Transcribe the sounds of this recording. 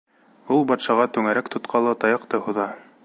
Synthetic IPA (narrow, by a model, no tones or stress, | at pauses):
ulˠbɑt̪ʃɑʁɑt̪ʉŋæɾækt̪ŏt̪qʰɑlˠɑt̪ɑjɑqt̪ɤhuðɑ